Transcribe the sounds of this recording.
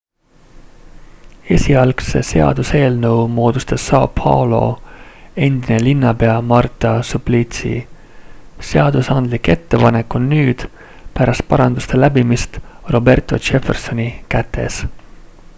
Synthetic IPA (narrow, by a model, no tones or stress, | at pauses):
e̞sʲiɑlksese̞ɑ̰d̪use̞ːlnɤ̞wmo̞ːd̪̥ust̪ɑsːɑpʰɑ̰lo̞̰ | e̞nd̪inelinːɑpe̞ɑmɑrt̪ːˑɑsuplit̪sḭ | se̞ɑd̪̥usɑnd̪̥like̞t̪ːe̞pɑnekːˑonːyːd̪̥ | pæɾɑst̪̚pɑɾɑnd̪̥ust̪elæbimist̪ro̞be̞rt̪ˑo̞̰t͡ʃe̞ferso̞nikæt̪ʰːe̞̰s